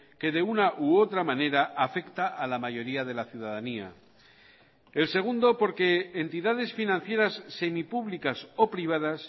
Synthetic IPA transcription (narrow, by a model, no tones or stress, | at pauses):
ke̞ðe̞unaʔuo̞t̪ɾamãne̞ɾaʔafe̞kt̪aʔalamaʝo̞ɾiaðe̞laθjuð̞aðania̰ | else̞ɣ̞und̪o̞po̞ɾke̞ːnt̪iðaðe̞sfinãn̟θje̞ɾasːe̞mipuβlikaso̞pɾiβ̞að̞as